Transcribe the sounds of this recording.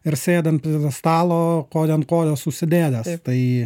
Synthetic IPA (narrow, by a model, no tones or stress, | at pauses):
ɪɾsʲeːd̪ʲɛnt̪pʲɾʲid̪ɐst̪ɑːlˠoːkoːd̪ʲɛnkoːd̪ʲoːsʊʃsʲɪd̪ʲeːd̪ʲɛst̪ɐɪ